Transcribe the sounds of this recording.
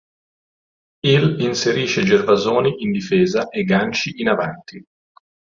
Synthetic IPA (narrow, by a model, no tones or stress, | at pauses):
ilinseɾiːt͡ʃed͡ʒervazoːniʔind̪ifɛːzaʔeɡːant͡ʃiʔːnavant̪ʰi